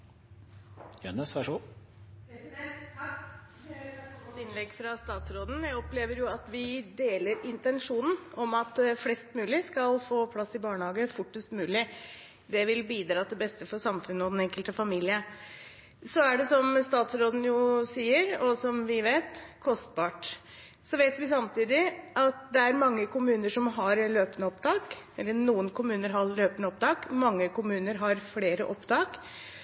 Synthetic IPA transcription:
jønəsʋæʂu | t̪ɪnlɛɡːfɾɑst̪ɑːt̪sɾoːd̪n̩jæɪɔpleːʋəɾjʊɑt̪ʋɪd̪eːləɾɪnt̪ɛnʂuːnn̩ɔmɑt̪̚d̪ɛflɛst̪mʉːlɪskɑlfoːpʰlɑsːɪbɑːɳəhɑːɡəfʊʈːəst̪mʉːlɪ | d̪ɛʋɪlbiːd̪ɾɑːt̪ɛbɛst̪əfɔsɑmfʉnːəɔd̪ɛnɛŋkəlt̪əfɑmiːlɪə | sɔæɖɛsɔmst̪ɑːt̪sɾoːd̪n̩jʊsiːəɾɔsɔmʋɪʋeɪt̪kʰɔst̪̚bɑːʈ | sɔʋeɪt̪ʋɪsɑmt̪iːd̪ɪʔɑt̪d̪ɛæɾmɑŋːəkʊmʉːnəʂɔmɦɑɾløːpənəɔpt̪ʰɑːkɛlːənuːənkʰʊmʉːnəɾɦɑɾløːpənəɔp̚t̪ʰɑːkmɑŋːəkʊmʉːnəɾɦɑɾfleːɾəʔɔpt̪ʰɑːk

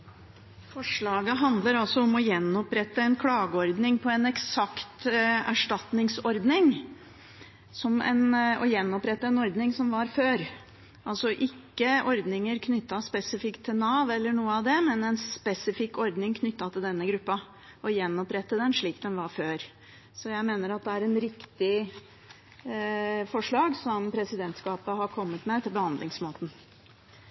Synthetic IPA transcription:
fɔʂɭɑːɡəɦɑnd̪ləɾɑlsɔɔmɔjɛnːɔpɾɛt̪ːəɛnkʰlɑːɡəɔɾd̪nɪŋpʰɔɛnɛksɑkt̪æ̰ʂʈɑt̪nɪŋsɔɾd̪nɪŋ | sɔmɛ̰nɔ̰jɛnːɔpɾɛt̪ːəɛnɔɾd̪nɪŋsɔmʋɑɾføːɾ | ʔɑlsɔʔɪkːəʔɔɾd̪nɪŋəɾkʰnʏt̪ːɑspɛsɪfɪkt̪ʰːɪlnɑʋɛlːəɳuːəɑʋd̪ɛmɛnɛnspɛsɪfɪkːɔɾd̪nɪŋkʰnʏt̪ːɑt̪ʰɪld̪ɛnːəɡɾʉpːɑ | ʔɔjɛnːɔpɾɛt̪ːəd̪ɛnʂɭiːkd̪ɛnʋɑɾføːɾ | sɔjæɪmeːnəɾɑt̪̚d̪ɛæɾɛnɾɪkt̪ɪ | fɔʂɭɑːɡsɔmpʰɾɛsɪd̪ɛnt̪skɑːpəɦɑɾkʰɔmːət̪mɛt̪ʰɪlbəhɑnd̪lɪŋsmoːt̪n̩

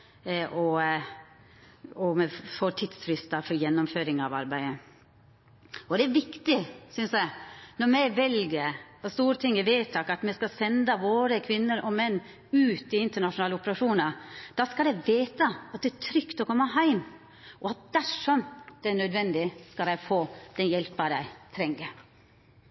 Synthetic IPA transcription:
ʔɔ | ɔmɛfoːt̪ʰɪt̪sfɾɪst̪ɑfɔɾjɛnːɔmføːɾɪŋɑ̰ʋɑ̰ɾbæɪə | ɔd̪ɛæɾʋɪkt̪ɪsʏnsæɪnɔɾmæɪʋɛlɡəɾɔst̪uːɾət̪ʰɪŋːəʋeːt̪ʰːɑkɑt̪mɛskɑsɛnd̪ɑʋoːɾəkʰʋɪnːəɾʔɔmɛnː | ʉːt̪ɪɪnt̪əɳɑʂʊnɑːləɔpəɾɑʂuːnɑɾd̪̥ɑskɑd̪ɛɪʋeːt̪əɑt̪̚d̪ɛæt̪ʰɾʏkt̪ɔkʰɔmːəɦæɪm | ʔɔɑt̪̚d̪̥æʂɔmd̪̥ɛæɳœd̪ʋɛnd̪ɪskɑld̪æɪfoːd̪ɛnjɛlpɑd̪æɪt̪ʰɾɛŋːə

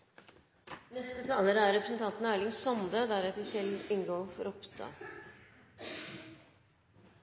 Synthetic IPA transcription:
nɛst̪ət̪ʰɑːləɾəæɾɾɛpɾəsn̩t̪ʰɑnt̪n̩æːɭɪŋsɔnd̪əd̪æɾɛt̪əsɛlɪŋɡoːfɔɾɔpst̪ɑ̰ː

